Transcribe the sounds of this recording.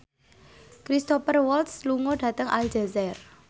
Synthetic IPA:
kɾist̪ɔpərwɔlt̪sluŋɔɖ̥ä̤t̪əŋʔa̰ld͡ʒɛzɛr

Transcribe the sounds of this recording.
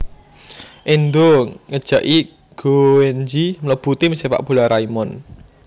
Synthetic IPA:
ʔind̪oŋəd̥ʒ̥ä̤ʔi | ɡ̥oɛnd͡ʒimələb̥ṳt̪iməsefa̰ʔb̥ṳlaɾaimɔn

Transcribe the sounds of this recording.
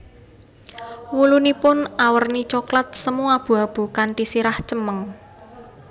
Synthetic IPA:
wulunipʊnawərnit͡ʃɔklat̪̚səmuab̥ṳab̥ṳkaɳʈisiɾaht͡ʃəməŋ

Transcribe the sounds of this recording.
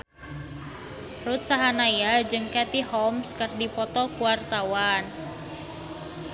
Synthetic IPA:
rut̪̚saɦanajad͡ʒɨŋkɛt̪ihɔmskərdipɔt̪ɔkuwart̪awan

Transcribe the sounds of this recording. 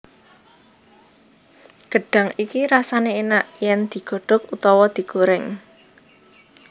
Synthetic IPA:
ɡ̥ə̤ɖ̥ä̤ŋikiɾasaneenaʔjɛnd̪̥i̤ɡ̥ɔ̤ɖ̥ɔ̤kut̪ɔwɔd̪̥i̤ɡ̥oɾɛŋ

